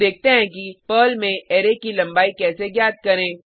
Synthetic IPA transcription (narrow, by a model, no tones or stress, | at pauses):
eːk̚ʰt̪eɦɛ̃kipəːlmẽɛːɾekilɐ̃mbaːikɛːseɡjaːt̪̚kɐɾẽː